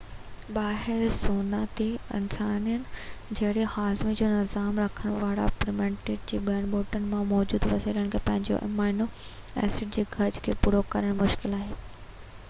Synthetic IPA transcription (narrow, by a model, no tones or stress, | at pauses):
ɓaːɦɪɾsoːnat̪eɪ̰nsaːnijənɪ̆d͡ʑɐɦɽehaːzmid͡ʑoːnɪzaːmɾɐkʰəɽ̃ʋaːɽa̰pɾɪmẽːɳʈeːʈ̚d͡ʑiːbaːɽ̃ɓoːʈən̆mãmɔːd͡ʑuːd̪ʋɐsiːləɽ̃kʰeːpɐ̃ɦɪ̃ɲd͡ʑo̰ʔmaːɪno | ɛ̰ːsɪɖ̚d͡ʑeːɡʱɐɾd͡ʑkʰeːpuɽokɐɾəɽ̃mʊʃkɪlaːɦeː